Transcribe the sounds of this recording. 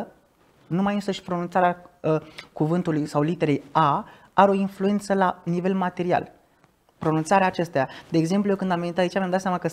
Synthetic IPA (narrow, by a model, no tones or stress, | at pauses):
numajɨnsəʃpɾo̞nunt̪saɾeaəkuvɨnt̪ulujsawlit̪e̞ɾe̞ja | aɾeo̞influje̞nt̪səlanive̞lmat̪e̞ɾia̰l | pɾo̞nunt̪saɾeaːt͡ʃe̞st̪ead̪e̞ːɡze̞mplujekɨnd̪amvenit̪ait͡ʃamjamd̪at̪sjamakə